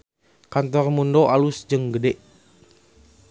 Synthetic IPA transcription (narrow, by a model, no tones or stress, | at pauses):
kant̪ɔrmundoʔalusd͡ʒɨŋɡədɛʔ